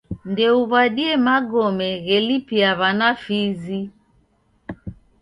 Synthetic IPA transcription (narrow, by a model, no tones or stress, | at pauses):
ndɛuβaɗiɛmaɡɔmɛɣɛlipiaβanafizi